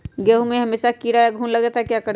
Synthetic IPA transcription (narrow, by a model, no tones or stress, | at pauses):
ɡeːɦumẽɦɐmeːʃakiɾajaɡʱuːnlɐɡd͡ʒat̪aɦekjakəɾ